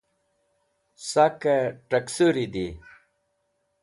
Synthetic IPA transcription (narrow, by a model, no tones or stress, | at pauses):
sakɐʈɐksuɾid̪i